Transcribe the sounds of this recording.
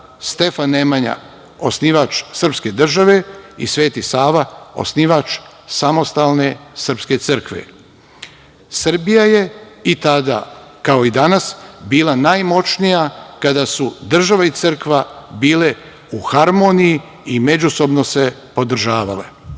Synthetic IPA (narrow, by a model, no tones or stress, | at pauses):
st̪e̞fanːemaɲa̰ | o̞sniʋat͡ʃsər̩pske̞d̪r̩ʒaʋe̞ḭsʋe̞ːt̪isaːʋao̞̰sniʋat͡ʃ | samo̞st̪alˠne̞sərɾpske̞t̪sɨrkʋḛ | sr̩bijaje̞it̪ad̪a̰kao̞id̪anasbiːlˠanajmo̞t͡ʃnijakad̪asud̪r̩ʒaʋait̪sɨr̩kʋabiːle | uxaɾmo̞ːniji | ime̞d͡ʒuso̞bno̞se̞po̞d̪r̩ʒaːʋale̞̰